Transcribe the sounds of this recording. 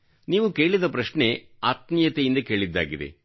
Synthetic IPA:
niːʋuke̞ːɭid̪ɐpɾɐʃɳe̞ | at̪̚nijɐt̪ejind̪ɐke̞ːɭid̪ːa̰ːɡid̪ḛ

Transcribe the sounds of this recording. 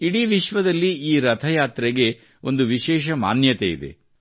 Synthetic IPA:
iɽiːʋiʃʋɐd̪ɐlːiiːɾɐt̪ʰɐjaːt̪ɾɛɡe̞ | o̞̰nd̪uʋiʃɛːʃ̬ɐma̰ːnjɐt̪eḭd̪e̞̰

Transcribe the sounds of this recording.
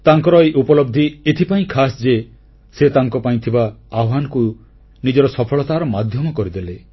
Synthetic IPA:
t̪aŋkɔɾɔeʔupɔlɔb̚d̪ʱiet̪ʰipaĩkʰasd͡ʒe | set̪aŋkɔpaĩt̪ʰibaaɦanku | nid͡ʒɔɾɔsɔpʰɔɭɔt̪aɾɔmad̪ʱjɔmɔkɔɾid̪ele

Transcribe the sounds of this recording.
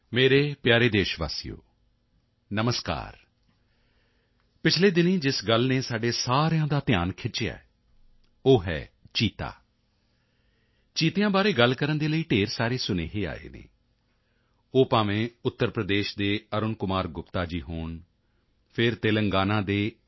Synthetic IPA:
meːɾeːpjaːɾeːd̪eːʃʋa̰ːsijo̰ː | nəməska̰ːɾ | pɪt͡ʃʰleːd̪ɪnẽːd͡ʒɪsɡəlneːsaːɖeːsaːɾjãːd̪aːt̪ɪjaːnkʰɪt͡ʃja̰ː | oːɦɛ̰ːt͡ʃiːt̪a̰ː | t͡ʃiːt̪ejãːbaːɾeːɡəlkəɾənd̪eːləiːʈeːɾsaːɾeːsʊnḛːɦeːa̰ːḛːnḛː | oːpaːʋẽːʊt̪ːəɾpɾəd̪eːʃd̪eːəɾʊnkʊmaːɾɡʊpt̪aːd͡ʒiːɦoːɳ | pʰɪɾt̪eːləŋɡaːnãːd̪eː

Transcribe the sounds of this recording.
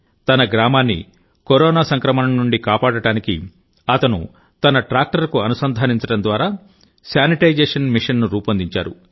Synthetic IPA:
t̪ɐnɐɡɾaːmaːnːḭ | koɾoːnaːsɐŋkɾɐmɐnɐnːuɳɖikaːpaːɽɐɽaːnikḭ | ɐt̪ɐnṵ | t̪ɐnɐʈɾaːk̚ʈɐɾkuɐnusɐnd̪ʱaːniɲt͡ʃɐɽɐnd̪ʋaːɾaː | sjaːniʈɐjd͡ʒeːʂɐnmiʂɐnːuɾuːpɐnd̪iɲt͡ʃa̰ːɾṵ

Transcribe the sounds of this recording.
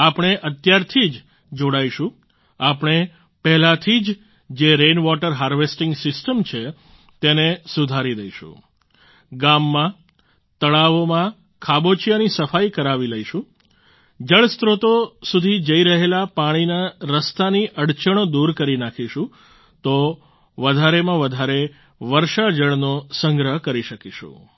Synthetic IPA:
apɳ̃eʔət̪jaɾt̪ʰid͡ʒ | d͡ʒoɽaiʃũ | apɳ̃e | pɛɦlat̪ʰid͡ʒ | d͡ʒeɾenʋɔʈəɾɦaɾʋesʈɪ̃ŋɡsɪsʈəmt͡ʃʰe | t̪enesud̪ʱaɾid̪əiʃṵ̃ | ɡamːã | t̪əɭaʋomã | kʰabot͡ʃijanisəfaikəɾaʋiləiʃũ | d͡ʒəɭst̪ɾot̪osud̪ʱid͡ʒəiɾəɦelapaɽ̃inaɾəst̪aniʔəɽt͡ʃəɽ̃od̪uɾkəɾinakʰiʃũ | t̪o | ʋəd̪ʱaɾemãʋəd̪ʱaɾe | ʋəɾʃad͡ʒəɭnosəŋɡɾəɦkəɾiʃəkiʃṵ̃

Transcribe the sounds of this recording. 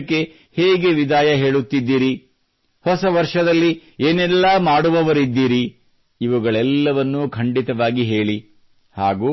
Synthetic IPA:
kːe̞ | heːɡe̞ʋid̪aːjɐɦe̞ːɭut̪ːid̪ːiːɾi | hɔsɐʋɐɾʂɐd̪ɐlːieːnɛlːaːmaːɽuʋɐʋɐɾid̪ːiːɾiː | ʋuɡɐɭɛlːɐʋɐnːukʰɐɳɖit̪ɐʋaːɡiɦe̞ːɭi | haːɡuː

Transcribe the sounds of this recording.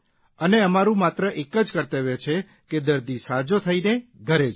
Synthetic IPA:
əneəmaɾũmat̪ɾəʔekəd͡ʒkəɾt̪eʋet͡ʃʰe | ked̪əɾd̪isad͡ʒot̪ʰəineɡʱəɾed͡ʒ

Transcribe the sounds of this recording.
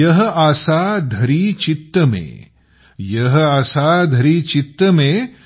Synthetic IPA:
ɐɦɐasaːd̪ʱɐɾiːt͡ʃit̪ːɐmḛː | jɐɦɐasaːd̪ʱɐɾiːt͡ʃit̪ːɐmeː

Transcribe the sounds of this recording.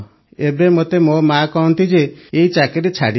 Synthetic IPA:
ebemot̪emomakɔɦɔnt̪id͡ʒeːjt͡ʃakeɾet͡ʃʰa̰ɽi

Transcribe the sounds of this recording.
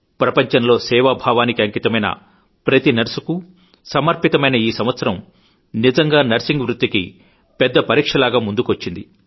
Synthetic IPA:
pɾɐpɐɲt͡ʃɐnlo̞ːsɛːʋabʱaːʋaːnikiɐŋkit̪ɐmɐjnɐ̰ | pɾɐt̪inɐɾsuku | sɐmɐɾpit̪ɐmɐjnɐiːsɐmʋɐt̪sɐɾɐm | nid͡ʒɐŋɡaːnɐɾsiŋɡʋɾut̪ːikḭ | pɛd̪ːɐpɐɾiːkʂɐlaːɡaːmund̪ukʋɐt͡ʃːind̪i

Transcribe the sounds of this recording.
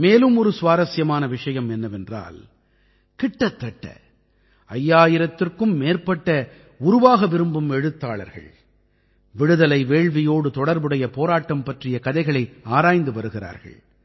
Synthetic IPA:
meːlɯmɔɾɯsʋaːɾɐsjɐmaːnɐʋɪʂɐjɐmɛnːɐʋɛndra̰ːl | kɪʈːɐt̪ːɐʈːɐ̰ | ɐjːaːjɪɾɐt̪ːɪrkɯmːeːrpɐʈːɐ | ʊɾʊʋaːɣɐʋɪɾɯmbɯmɛɻɯt̪ːaːɭɐ̰ɾɣɐ̰ɭ | ʋɪɻɯðɐlɐɪʋeːɻʋɪjoːɽɯt̪ɔɽɐɾbɯɽɐjɐpoːɾaːʈːɐmpɐʈrɪjɐkɐðɐɪɣɐɭɐɪaːɾaːjnd̪ɯʋɐɾɯɣɪra̰ːɾɣɐ̰ɭ

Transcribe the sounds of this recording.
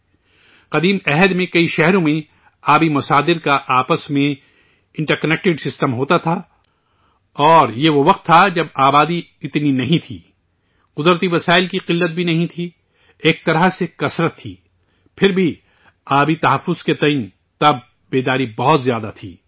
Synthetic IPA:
qɐd̪iːmɛɦəd̪mẽkɐiʃɛɦɾõmẽ | aːbimʊsaːd̪ɪɾkaʔaːpəsmẽ | ɪ̃ɳʈəɾkɐnɛk̚ʈɪɖsɪsʈəmɦoːt̪at̪ʰaː | ɔːɾjeʋoʋɐq̚t̪ʰːad͡ʒɐbaːbaːd̪i | ɪt̪ninɐɦĩt̪ʰḭː | qʊd̪ɾət̪iʋɐsaːɪlkiqɪlːət̪̚bʱinɐɦĩt̪ʰi | eːk̚t̪ɐɾasekɐsɾət̪ʰːḭː | pʰɪɾbʱi | aːbit̪ɐɦɐfːʊz̥ket̪ɐĩːn | t̪ɐb̚ | beːd̪aːɾibɔɦʊt̪zjaːd̪a̰t̪ʰḭː

